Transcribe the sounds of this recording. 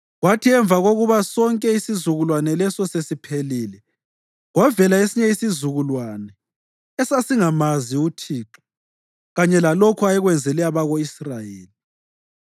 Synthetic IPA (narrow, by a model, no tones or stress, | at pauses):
ɣwatʰiɛɱb̪vʱaɣoɣuβasɔŋkʼɛisizuɣulwanɛlɛsɔsesipʰeliːlɛ | ɣwavɛlaesiɲɛisizuɣulwanɛ | ɛsasiŋamaziutʰiːǁɔ̥ | ɣaɲɛlalokʰuajɛɣwɛnd͡zʱɛlɛaβaɣoisrajeːli